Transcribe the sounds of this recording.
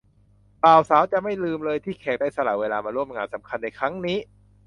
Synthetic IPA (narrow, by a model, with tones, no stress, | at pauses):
paː˨˩wsaː˩˦wt͡ɕa˨˩ma˥˩jlɯː˧mlɤː˧jt̪ʰiː˥˩kʰɛː˨˩k̚daː˥˩jsa˧la̰˨˩weː˧laː˧maː˧ɾu˥˩əmŋaː˧nsa˩˦mkʰa˧nːa˧jkʰɾa˦˥ŋniː˦˥